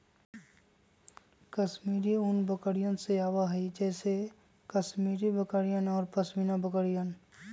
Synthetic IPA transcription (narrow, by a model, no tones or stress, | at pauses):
kəʃmiːɾiʊnbəkəɾijənseaːwaɦɐid͡ʒɛːse | kəsmiːɾibəkəɾijənɔːɾpɐsminabəkəɾijən